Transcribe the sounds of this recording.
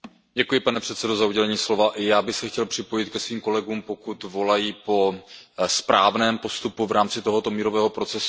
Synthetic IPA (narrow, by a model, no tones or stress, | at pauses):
ɟɛkujɪpanɛpr̥ɛt̪sɛdo̞zauɟɛlɛɲiːslo̞vaʔɪjaːbɪxsɛxcɛlpr̥ɪpo̞jɪt̪kɛsviːmko̞lɛɡuːmpo̞kut̪vo̞lajipo̞spɾaːvnɛːmpo̞st̪upuvɾaːmt͡sɪt̪o̞ɦo̞t̪o̞miːɾo̞vɛːɦo̞pɾo̞t͡sɛs